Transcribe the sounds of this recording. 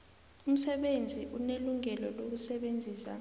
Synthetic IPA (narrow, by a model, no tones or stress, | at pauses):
um̩sɛɓend͡zʱiʔuneluŋɛlɔlok̬usɛɓend͡zʱiːsa̰